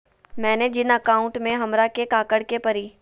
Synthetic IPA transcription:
mɛ̃ːned͡ʒɪnəkaːʊ̃ɳʈmẽɦɐmɾakekaːkəɽkepɐɾiː

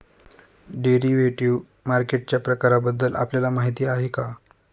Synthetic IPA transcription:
ɖeɾiʋeʈiʋ | maɾkeʈ̚t͡ɕjapɾəkaɾabəd̪ːəlʔa̰pljalamaɦit̪iːaɦeka

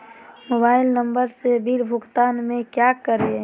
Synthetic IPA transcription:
mobaːɪlnəmbəɾsebʱiɾbʱʊɡt̪aːnmẽkjakəɾe

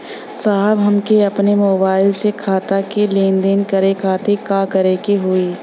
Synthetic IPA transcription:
saːɦəbɦɐmkeɐpnemoːbaːɪlsekʰaːt̪akeleːnd̪enkɐɾekʰaːt̪ekãkɐɾekeɦʊiː

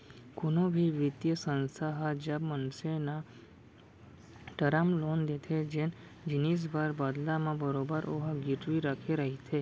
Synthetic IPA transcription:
kʊnobʱiʋɪt̪jəsə̃nsʰaɦad͡ʒabmənsena | ʈəɾamlond̪et̪ʰed͡ʒen | d͡ʒinis̬baɾbad̪lamãbəɾobəɾʔoɦaɡɪʈʋiɾakʰeɾəɦit̪ʰe

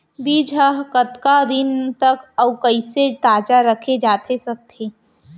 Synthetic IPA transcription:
biːd͡ʒʱəɦkət̪kad̪ɪnt̪ɐkɐwkɐɪset̪aːd͡ʒaɾəkʰed͡ʒaːt̪ʰesɐk̚t̪ʰeː

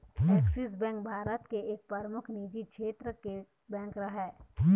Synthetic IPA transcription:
ɛːksisbɛ̃ːŋk̚bʱaːɾət̪keeːk̚pəɾmʊkʰniːd͡ʒiʃʰeːt̪ɾəke | bɛ̃ːŋkɾɐɦɛ

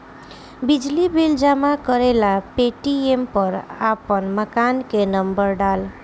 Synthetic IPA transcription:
bid͡ʒlibeld͡ʒamakʌɾelapeʈiempʌɾapənməkankenʌmbəɾɖal

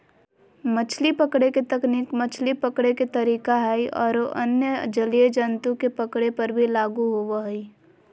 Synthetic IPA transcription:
mət͡ʃʰlipəkɽeket̪əknikmət͡ʃʰlipəkɽeket̪əɾiːkaɦɛiʔɔ̰ːɾoʔənjəd͡ʒəlied͡ʒənt̪ukepəkɽepɐɾbʱilaːɡuɦoʋaɦi

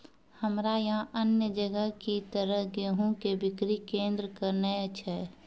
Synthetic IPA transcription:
həmɾajəɦãʔənjəd͡ʒəɡəɦkit̪əɾəɦɡeɦõkebɪkɾikẽːnd̪ɾəkəɾnəət͡ʃʰɛ

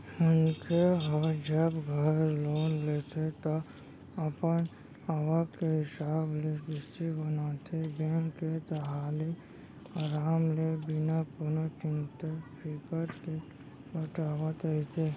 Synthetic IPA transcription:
ʊnkeɔɾd͡ʒəbɡʱəɾloːnlet̪ʰet̪ɔ | əpən | aʋəkkːeɦɪsaːblebɪst̪ibənat̪ʰebẽːŋkːed̪əɦaːle | aɾaːmlebɪnapʊɾnət͡ʃɪ̃nt̪epʰikəɾke | bəʈaːʋət̪əit̪ʰe

